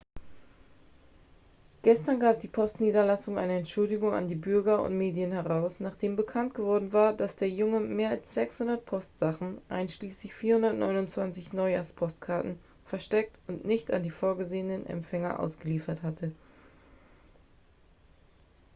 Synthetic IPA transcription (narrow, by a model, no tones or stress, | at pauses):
ɡ̥ɛstɐnɡaːp̚d̥iːpʰɔstniːdɐlasʊŋa̰ɪnəɛntʃʊldɪɡʊŋa̰ndiːbʏɐɡɐʊ̰ntmeːdiənhɛʁaʊsnaːχd̥eːmbəkʰant̚ɡ̥əvɔɐdn̩vaːɐdasd̥eːɐjʊŋəmeːɐalsz̥ɛkshʊndɐt̚pʰɔstz̥aχn̩ʔa̰ɪnʃliːslɪçfiːɐhʊndɐtnʔɔ̰ʏnʊnt͡sv̥ant͡sɪçnɔʏja̰ːspʰɔstkʰaɐtn̩ | fɛɐʃtɛk̚tʊnʔnɪçta̰ndiːfoːɐɡəzeːənənɛ̰mfɛŋɐ̰ʔa̰ʊsɡ̥əliːfɐthatʰə